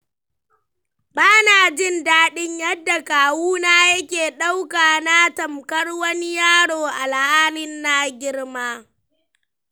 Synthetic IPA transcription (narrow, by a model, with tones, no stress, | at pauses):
baː˦naː˨d͡ʒɪ˦˨ndaː˦ɗɪ˦ɲjɐ˦dːa˨kaː˨wuː˦naː˦jɐ˦kʲeː˨ɗa˦wkaː˨na˦tɐ˨mkɐ˦rwɐ˦ni˦jaː˦ɽoː˨ʔa˨lhaː˦lɪ˦nːa˦ɡʲɪ˦ɽmaː˦